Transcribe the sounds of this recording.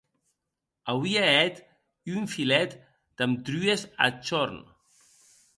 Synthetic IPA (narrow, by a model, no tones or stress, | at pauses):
awiaɛt̪ | yɱfilɛt̪ | d̪̥amt̪ɾyeza̰t͡ʃɔɾn